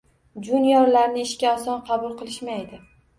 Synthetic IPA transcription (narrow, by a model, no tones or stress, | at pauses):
d͡ʒʊnjɒɾlaɾnɪɪʃkʲaɒsɒnqʰɑbʊlˠqʰɨlˠɪʃmajd̪ɪ